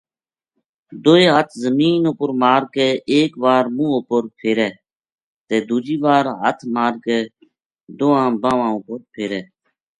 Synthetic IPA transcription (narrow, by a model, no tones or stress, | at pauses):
d̪oːeːɦət̪ʰzəmiːnopəɾmaːɾkɛːʔeːkʋaːɾmũːʊpəɾpʰeːɾɛː | t̪eːd̪uːd͡ʒiːʋaːɾɦət̪ʰmaːɾkɛː | d̪oːãːbãːʋãːʊpəɾpʰeːɾɛː